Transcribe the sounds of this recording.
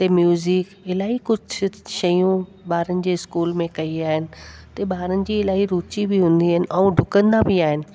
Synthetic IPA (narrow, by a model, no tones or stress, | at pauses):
t̪emjuːzɪk | ɪlaːɦikʊd͡ʑʱʃɐjũ | baːɾənɪ̆d͡ʑeːɪskuːlmẽkɐiaːɦɪnɪ̆t̪ɐbaːɾənɪ̆d͡ʑiːɪlaːɦiɾuːt͡ɕibɪɦũːn̆d̪iaːɦɪnɪ̆ʔɛũɖʱʊkə̃nd̪abɪaːɦɪnɪ̆